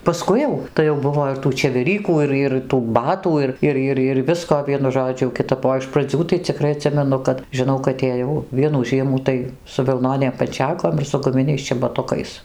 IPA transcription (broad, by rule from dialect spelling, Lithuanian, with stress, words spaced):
pɐˈskʊɪ jɛʊ tɐɪ jɛʊ ˈbʊʋoː ɪr tuː t͡ʃʲɛʋʲɛˈrʲiːkuː ˈɪr ɪr tuː ˈbɑːtuː ɪr ˈɪr ˈɪr ɪr ˈʋʲɪskoː ˈʋʲiɛnʊ ˈʒoːd͡ʒʲʊ jɛʊ kʲɪˈtɐp oː ɪʃ prɐˈd͡zʲuː tɐɪ t͡sʲɪˈkrɐɪ ɐˈtʲsʲɪmʲɛnʊ kɐt ʒʲɪˈnɐʊ kɐt eːˈjɛʊ ˈʋʲiɛnuː ˈʒʲiɛmuː tɐɪ sʊ ʋʲɪlˠˈnoːnʲeːm pɐnʲˈt͡ʃʲæːkoːm ɪr sʊ ɡʊˈmʲɪnʲɛɪs t͡ʃʲɛbɐˈtʊkɐɪs